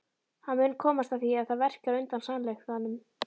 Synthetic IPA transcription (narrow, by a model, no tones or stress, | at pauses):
hanmʏnːkʰɔːmast̪aðθiaðθaðvɛr̥caɾœɥnt̪ansanlɛxθhanːʏm